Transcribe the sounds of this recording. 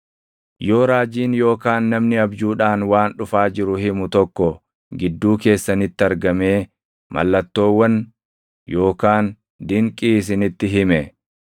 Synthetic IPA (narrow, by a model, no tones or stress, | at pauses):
joːɾaːd͡ʒiːnjo̞ːkaːnːɐmnɪɐbd͡ʒuːᶑaːnwaːnᶑʊfaːd͡ʒɪɾʊhɪmʊt̪ɔkːɔ | ɡɪd̪ːuːke̞ːsːɐnɪt̪ːɪɐɾɡɐme̞ː | mʔɐ̰lːɐt̪ːo̞ːwːɐn | jo̞ːkaːn | d̪ɪŋkʼiːs̬ɪnɪt̪ːɪɦɪmɛ